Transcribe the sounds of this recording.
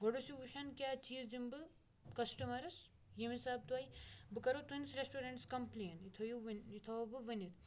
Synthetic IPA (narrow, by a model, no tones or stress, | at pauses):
ɡoɽusiʋuʃɐnkʲaːt͡ʃiːzd͡ʒimbɨ | kɐsʈɐmɐɾɨs | jimisaːb̚t̪uʋajibɨkɐɾot̪unsɾesʈuɾɐɳʈskɐmpleːnit̪ʰojuʋnit̪ʰoːbɨʋɨnit̪̚ʰ